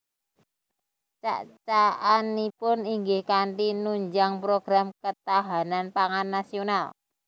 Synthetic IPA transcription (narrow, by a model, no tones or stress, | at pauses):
t͡ʃa̰ʔt͡ʃaanipʊniŋɡɪhkaɳʈinuɲd͡ʒaŋpɾoɡ̥ɾamkət̪aɦananpaŋanːasional